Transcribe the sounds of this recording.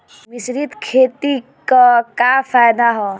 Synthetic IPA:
mɪsɾit̪kʰeːt̪i | kakafʰajd̪aɦɔ

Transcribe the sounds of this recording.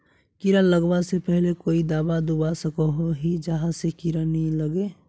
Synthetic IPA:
kiɾələɡbasepɛɦlekoːid̪aːbad̪ubasəkoɦoɦid͡ʒəɦãsekiɾəniləɡe

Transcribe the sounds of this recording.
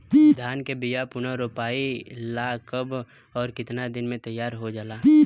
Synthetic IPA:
d̪ʱjaːnkebijapʊnaɾopaːilaːkəb | ɔːɾkɪt̪nad̪ɪnmẽt̪əjːaːɾɦod͡ʒaːlaː

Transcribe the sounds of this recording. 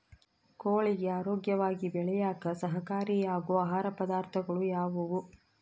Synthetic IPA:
koːɭiɡeaːɾoːɡjɐʋaːɡibɛɭɛjaːkɐsɐɦɐkaːɾijaːɡoːaːɦaːɾɐpɐd̪aːɾt̪ʰɐɡɐɭujaːʋuʋu

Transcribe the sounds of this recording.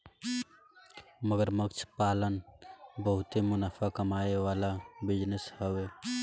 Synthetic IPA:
məɡəɾməkt͡ʃʰpaːlənbəɦʊt̪emʊnafʰakəmaːeʋaːlabɪd͡ʒnəshəʋeː

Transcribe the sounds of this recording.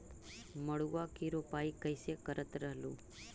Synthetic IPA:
məɭuʋakiɾopaikəjsekəɾət̪ɾəɦlṵ̃

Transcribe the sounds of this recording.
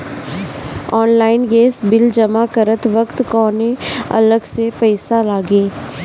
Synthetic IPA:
ɔːnlaːɪnɡeːsbɪld͡ʒɐmakəɾət̪ʋəkt̪kɔːneɐ̰ləɡsepɛɪsalaːɡẽː

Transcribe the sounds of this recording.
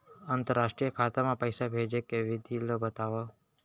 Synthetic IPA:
ənt̪əɾːaʃʈɾijəkʰat̪amãpəjsabʱed͡ʒekeʋɪd̪ʱilobət̪aʋo

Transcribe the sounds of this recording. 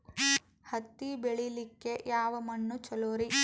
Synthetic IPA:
hɐt̪ːibeɭilikːe̞jaːʋɐmɐɳːut͡ʃɐloːɾi

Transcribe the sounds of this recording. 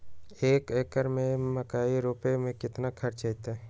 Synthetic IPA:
eːkeːkəɾmẽməkaːiɾoːpemẽkɪt̪nakʰɐɾt͡ʃet̪e

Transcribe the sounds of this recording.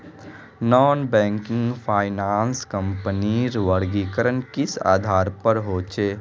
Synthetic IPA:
nɔːnbɛ̃ːŋkɪ̃ŋɡpʰaːɪnaːnskə̃mpəniɾʋəɾɡiːkəɾənkɪsa̰ːd̪ʱaːɾpəɾɦoːt͡ʃʰeː

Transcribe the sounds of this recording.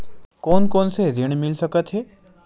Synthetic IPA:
kɔːnkɔːnsezeɽ̃mɪlsɐkət̪ɦɛː

